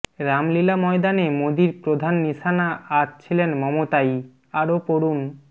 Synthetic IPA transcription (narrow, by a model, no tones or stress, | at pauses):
ɾamlilamɔed̪anemod̪iɾpɾod̪ʱanːiʃanaatt͡ɕʰilenmɔmot̪aj | aɾopoɾun